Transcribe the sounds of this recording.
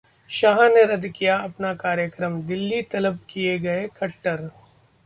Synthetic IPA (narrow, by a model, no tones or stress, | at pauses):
ʃaːɦneɾɐd̪kijaɐpnakaːɾjəkɾəmd̪ɪlːit̪ɐləb̚kijeɡɐekʰɐʈːəɾ